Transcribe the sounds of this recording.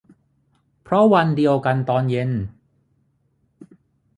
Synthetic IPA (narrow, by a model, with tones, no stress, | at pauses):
pʰɾɔ˦˥wa˧ndi˧əwka˧nt̪ɔː˧nje˧˥n